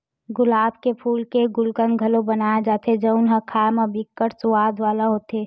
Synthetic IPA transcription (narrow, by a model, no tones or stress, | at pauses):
ɡʊlaːbʱkepʰuːlkeɡʊlkənɡʱəlobənaːed͡ʒaːt̪ʰed͡ʒəʊnɦəkʰaːmabikːəɾsʊwaːd̪ʋaːlaɦoːt̪e